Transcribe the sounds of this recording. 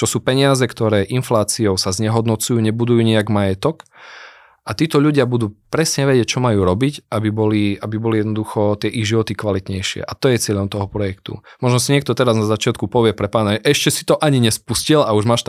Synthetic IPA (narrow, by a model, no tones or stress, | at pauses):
t͡ʃɔsuːpɛɲɪazɛkt̪ɔɾɛːʔinflaːt͡siɔʊsazɲɛɦɔd̪nɔt͡sujuːɲɛbud̪ujuːɲɛaɡmajɛt̪ɔk | ʔat̪iːt̪ɔʎuɟɪabud̪uːpɾɛsɲɛʋɛɟɪɛc̚t͡ʃɔmajuːɾɔbicʔabibɔliabibɔlijɛd̪nɔd̪uxɔt̪ɪɛʔiɣʒiʋɔt̪ikʋalit̪ɲɛjʃɪɛ̰ʔat̪ɔjɛt͡sɪɛʎɔmt̪ɔɦɔpɾɔjɛkt̪ṵmɔʒnɔsiɲɪɛkt̪ɔt̪ɛɾaznazat͡ʃɪat̪kupɔʋɪɛpɾɛpaːnaʒɛʔɛʃcɛsi̥t̪ɔʔaɲiɲɛspuscilauʒmaːʃt̪